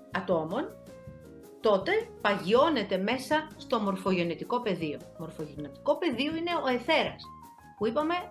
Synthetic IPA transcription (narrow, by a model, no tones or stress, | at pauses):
ɐt̪o̞mo̞n | t̪o̞t̪e̞pɐʝio̞ne̞t̪e̞me̞sɐst̪o̞mo̞ɾfo̞ʝe̞net̪iko̞pe̞ðio̞mo̞ɾfoʝenet̪i̥ko̞pe̞ðio̞ine̞oe̞θe̞ɾɐs | puipɐme̞